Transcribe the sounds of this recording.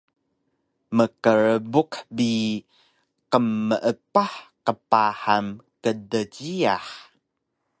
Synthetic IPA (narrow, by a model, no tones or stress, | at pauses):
məkəɾəbukbi | qəmːəʔəpaħqəpahamkədəɟia̰ħ